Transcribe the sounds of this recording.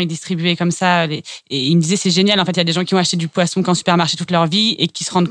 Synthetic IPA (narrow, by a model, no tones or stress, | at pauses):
id̪ist̪χibɥɛkɔmsaøleeilməd̪izɛsɛʒenjalɑ̃fɛt̪ljad̪eʒɑ̃kʲiɔ̃aʃt̪ed̪ypwasɔ̃kɑ̃sy̥pɛʁmaʁʃet̪ut̪lœʁviekʲisəʁɑ̃d̪